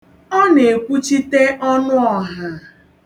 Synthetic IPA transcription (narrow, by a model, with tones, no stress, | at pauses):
ɔ˦ne˨kʷu˦t͡ʃi˦te˦ʔɔ˦nʊ˦ɔ˨ɦa˨